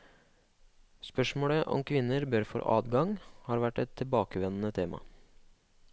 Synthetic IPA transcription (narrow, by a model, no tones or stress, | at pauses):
spœʂmoːɽəʔɔ̰mkʰʋɪnːəɾbœɾfɔ̰ɾʔɑ̰ːd̪ɡɑŋhɑːɾʋæʈːɛt̪ʰːɪlbɑːkəʋɛnn̩ət̪ʰeːmʔɑ̰